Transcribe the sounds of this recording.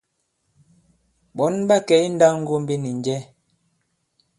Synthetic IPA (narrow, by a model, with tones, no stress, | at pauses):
ɓɔ˨˦nba˦kɛ˨˦jn̩˦da˦ŋ̩˦ɡo˦m̩˦bi˦ni˨ɲd͡ʒɛ˦